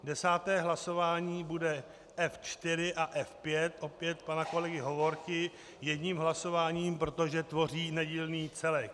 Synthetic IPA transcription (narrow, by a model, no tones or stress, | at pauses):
dɛsaːt̪ɛːɦlaso̞vaːɲiːbudɛ | ʔɛft͡ʃt̪ɪɾɪʔaʔɛfpjɛt̪ʔo̞pjɛt̪̚panako̞lɛɡɪɦo̞vo̞ɾkɪ | jɛdɲiːmɦlaso̞vaːɲiːmpɾo̞t̪o̞ʒɛt̪vo̞r̝iːnɛɟiːlniːt͡sɛlɛk̚